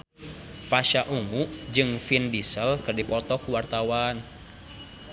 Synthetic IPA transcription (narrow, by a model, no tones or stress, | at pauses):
paʃaʔuŋuʔd͡ʒɨŋfindisəlkɨrdipɔt̪ɔkuwart̪awan